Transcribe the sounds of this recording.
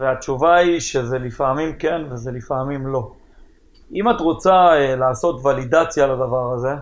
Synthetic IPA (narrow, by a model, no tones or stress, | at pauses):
veatt͡ʃuvaiʃe̞ze̞lifamimke̞nveze̞lifamimlo̞ | imatʁo̞t͡saelaːso̞tvalid̪at͡sjalad̪avaʁaze̞